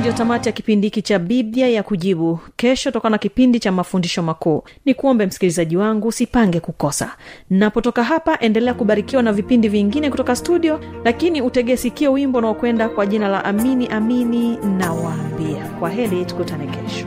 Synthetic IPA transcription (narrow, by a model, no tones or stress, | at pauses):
ʄatamatijakipindiikit͡ʃaɓiðiajakuʄiɓukɛʃɔutɔkananakipindit͡ʃamafundiʃɔmakuː | nikuɔmbɛm̩si̥kilizaʄiwaŋɡusipaŋɡɛkukɔsa̰napɔtɔkaɦapaʔɛndɛlɛakuɓaɾikiwanavipindiviŋɡinɛkutɔkastuɗiɔlakiniutɛɠɛsikiɛwimbɔunaɔkwɛndakwaʄinala̰ʔaminiʔamininawaːmbia̰kwaɦɛlitu̥kutanɛkɛʃɔ̥